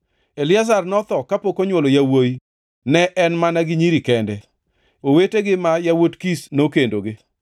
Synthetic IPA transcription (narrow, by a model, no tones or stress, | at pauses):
elɪazarnɔt̪ɔkapokoɲwolojawoj | nɛʔɛnmanaɡɪɲiɾikɛndɛ | oweteɡɪmajawotkisnokendoɡɪ